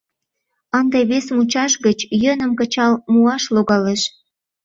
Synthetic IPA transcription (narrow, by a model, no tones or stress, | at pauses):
ənd̪eβesmut͡ɕɑʃɣət͡ɕjənə̆mkət͡ɕɑlmuɑʃloɣɑleʃ